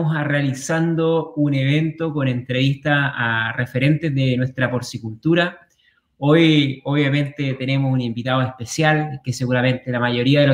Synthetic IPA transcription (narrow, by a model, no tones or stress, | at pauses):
osarealisand̪oune̞β̞e̞nt̪o̞ko̞ne̞nt̪ɾe̞βist̪aːrefe̞ɾe̞nt̪ezðenwe̞hst̪ɾapo̞ɾsikult̪uɾa | o̞joβjamẽ̞nt̪e̞t̪e̞ne̞mosunimbit̪aðoespe̞sjalkese̞ɣuɾamẽ̞nt̪elamaʝo̞ɾiaðeo